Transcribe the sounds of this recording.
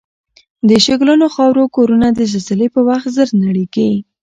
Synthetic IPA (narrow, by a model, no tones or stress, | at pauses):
d̪əʃeɡlənoxɑwɾokoɾunad̪əʒazalepəwaxt̪zəɾnaɽike